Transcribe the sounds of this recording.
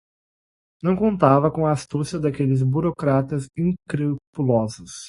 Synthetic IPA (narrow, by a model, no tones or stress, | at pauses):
nɐ̃w̃kõnt̪avɐkõɐːst̪usjɐd̪akelɪzbuɾokɾat̪ɐzĩkɾepulɔzʊs